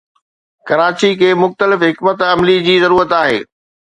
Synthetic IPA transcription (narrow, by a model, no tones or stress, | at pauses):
kɐɾaːt͡ɕikʰeːmʊxt̪əlɪfɦɪkmət̪ɐmlid͡ʑiːzɐɾuːɾət̪aːɦḛː